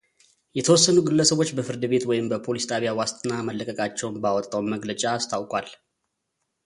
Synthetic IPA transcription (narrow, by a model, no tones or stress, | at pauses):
jɛt̪ʰəwɔsːənuɡɨlːəsəβo̞t͡ʃːbəfɨɾd̪ɨbe̞t̪wɔjɪmbəpʰo̞list̪ʼaβjawast̪ʼɨnːaməlːəkʼəkʼat͡ʃːɛwnbawɔt̪ʼːawnməɡlət͡ʃʼaːst̪ʰawkʼwal